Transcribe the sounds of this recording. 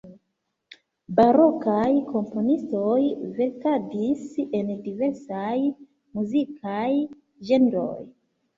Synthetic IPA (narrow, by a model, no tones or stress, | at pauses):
baɾo̞kajkʰo̞mpo̞nisto̞jve̞ɾkadise̞ndive̞ɾsaj | muzikʰaj | d͡ʒe̞nɾo̞̰j